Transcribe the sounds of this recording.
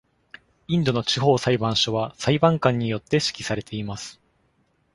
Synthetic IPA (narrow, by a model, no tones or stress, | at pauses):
ĩnd̪o̞no̞t͡ɕiɦo̞ːsaibãɰ̃ɕoβasaibãŋkãɲ̟ːijo̞t̪ːe̞ɕi̥kʲi̥saɾe̞t̪ʰe̞imasɨ̥